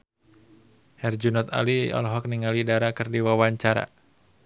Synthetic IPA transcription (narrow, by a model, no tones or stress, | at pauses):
hɛrd͡ʒunɔt̪a̰liɔ̰lɔɦɔk̚niŋalidaɾakɨrdiwawaɲt͡ʃaɾa̰